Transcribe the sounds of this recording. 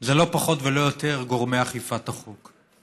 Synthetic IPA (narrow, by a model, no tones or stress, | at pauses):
zelo̞paχo̞t̪velo̞jot̪e̞ʁɡo̞ʁmeaχifat̪aχuk